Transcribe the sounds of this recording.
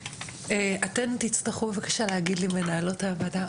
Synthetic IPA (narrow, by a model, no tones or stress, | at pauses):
eatent̪it͡staχubevakḁʃaleɦaɡid̪lime̞naːlo̞thaːvada